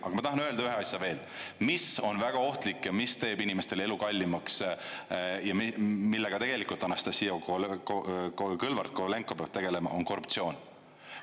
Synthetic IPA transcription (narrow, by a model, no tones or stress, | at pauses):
ʔɑ̰ɡ̥ɑmɑt̪ɑɦɑnøld̪ɑyɦe̞ɑsʲjɑve̞ːl | miso̞nvæɡ̥ɑo̞ht̪likːjɑmist̪e̞ːbinime̞st̪e̞le̞lukɑlʲːimɑks | jɑmmilːe̞ɡ̥ɑt̪e̞ɡ̥e̞likˑult̪ɑnɑst̪ɑsijoookɯlvɑrt̪̚kole̞ŋkːˑopeɑvt̪e̞ɡ̥e̞le̞mɑ̰ʔo̞nko̞rupt̪sio̞ːn